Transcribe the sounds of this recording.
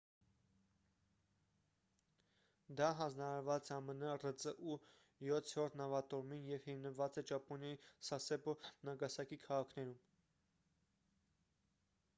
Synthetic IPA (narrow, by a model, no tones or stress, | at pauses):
d̪ɑɦɑnd͡znɑɾɑɾvɑt͡sɛɑmənərət͡səʔu | jɔt͡s̪ʰɔɾt̪nɑvɑt̪ɔɾminjɛvhimnəvɑt͡sɛt͡ʃɑpɔnjɑjisɑsɛbɔnɑɡɑsɑkikʰɑʁɑkʰnɛɾum